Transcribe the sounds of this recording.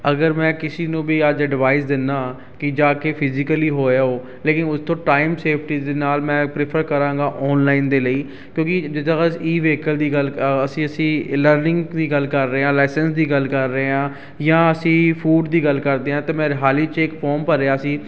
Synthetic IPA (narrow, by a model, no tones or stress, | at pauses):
əɡəɾmɛ̃ːkɪsiːnũːbiːəd͡ʒɖɪʋaːɪsd̪ɪnːaː | kɪd͡ʒaːkeːpʰɪzɪkəliːɦoːaːoː | leːkɪnʊst̪õːʈaːimseːpʰʈiːd̪eːnaːlmɛ̃ːpɾɪpʰəɾkəɾãːŋɡaːʔɔːnlaːind̪eːləiː | kjõːkɪd͡ʒɪd̪ãsiːʋeːkəld̪iːɡələsĩːəsĩːləɾnɪ̃ŋɡd̪iːɡəlkəɾːəeːãːlaːsənsd̪iːɡəlkəɾːəeːãː | jãːəsĩːpʰuːɖd̪iːɡəlkəɾd̪eːɦãːt̪eːmɛ̃ːɾɦaːliːt͡ʃɪkpʰɔːɾmpəɾːeːaːsiː